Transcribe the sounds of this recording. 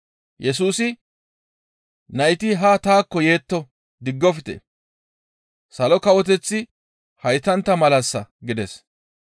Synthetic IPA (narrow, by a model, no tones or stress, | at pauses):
jɛs̬uːsɪ | nɐjt̪ɪɦat̪aːkːɔje̞ːt̪ːɔ | d̪ɪɡːɔfɪt̪ɛ̰ | sɐlɔkɐwɔt̪ɛt͡sːɪ | hɐjt̪ɐnt̪ːɐmɐlɐsːɐɡɪd̪ɛs